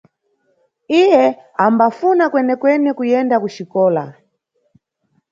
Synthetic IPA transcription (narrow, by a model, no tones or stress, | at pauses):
ijɛambafunakwɛnɛkwɛnɛkujɛndakuʃikɔːla̰